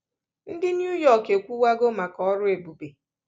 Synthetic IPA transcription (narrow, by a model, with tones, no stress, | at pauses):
n̩˦dɪ˦nju˦jɔ˨ke˨kʷu˦wa˦ɡo˦ma˨kɔ˦ɾʊ˦e˨bu˨be˨